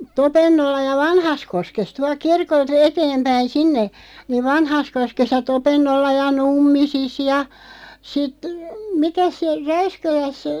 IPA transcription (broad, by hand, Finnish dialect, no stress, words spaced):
topenːolːɑ jɑ ʋɑnhɑskoskes tuɑlk̆ kirkolt eteːmpæin sinːe niʋ ʋɑnhɑskoskes jɑ topenːolːɑ jɑ numːisis jɑ sit mikæs se ræyskælæs